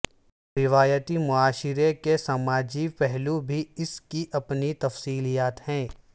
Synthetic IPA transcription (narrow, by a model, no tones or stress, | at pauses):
ɾɪʋaːjət̪imʊaːʃɪɾekesɐmaːd͡ʒipɛɦlubʱiɪskiʔɐpnit̪ɐfsiːlijaːt̪hɛ̃ː